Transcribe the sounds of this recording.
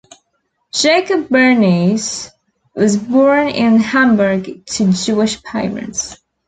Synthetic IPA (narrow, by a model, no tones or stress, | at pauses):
d̥ʒ̥eɪkɨbːə˞niz | wʌzbɔɹnɪ̃nhæ̃mbə˞ɡtʰɨd͡ʒʉɨʃpʰaɪɹɨ̰̃nts